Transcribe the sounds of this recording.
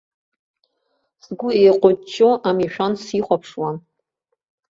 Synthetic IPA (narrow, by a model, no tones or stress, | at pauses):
sɡʷʊejqʷʼʊt͡ʃʼːoʔamiʃᶣansiχʷapʰʂwan